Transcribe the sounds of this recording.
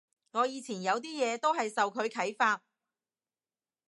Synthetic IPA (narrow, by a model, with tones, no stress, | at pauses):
ŋɔː˨˧jiː˨˧t͡sʰiː˨˩njɐ˨˧wt̪̬iː˥jɛː˨˧t̪o˥wɦɐ˨jsɐ˨wkʰɵ˨˧ɥkʰɐ˨˥jfaː˧t̚